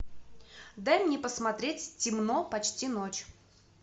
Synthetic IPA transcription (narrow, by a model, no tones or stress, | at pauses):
d̪amʲnʲɪpəsmɐt̪ɾʲetʲtʲɪmnopɐt͡ɕtʲinot͡ɕ